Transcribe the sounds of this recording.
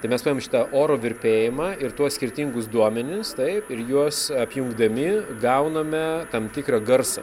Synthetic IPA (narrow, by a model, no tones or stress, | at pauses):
t̪ɐɪmʲɛspːemʃʲɪ̥t̪ɐʔoːɾoːʋʲɪɾʲpʲeːjɪmɑːɪɾt̪uɔssʲkʲɪɾʲt̪ʲiŋɡʊsd̪uɔmʲɛnʲɪst̪ɐɪpɪɾjuɔsɐpʲjʊŋɡd̪ɐmʲɪɡɐʊnɐmʲɛt̪ɐmt̪ʲɪkɾɐɡɐrsɐ